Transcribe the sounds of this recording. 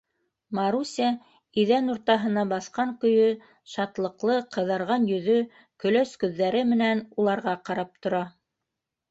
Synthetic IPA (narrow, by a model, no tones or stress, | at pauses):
mɑɾusʲæ | iðænuɾt̪ɑɦɤ̆nɑbɑθqɑŋkɵ̆jɵ | ʃɑt̪lˠɤ̆qlˠɤqɤ̆ðɑɾʁɑnjɵ̆ðɵ | kɵ̆lœskɵ̆ðːæɾɘmɘ̆nænulˠɑɾʁɑqɑɾɑp̚t̪ŏɾɑ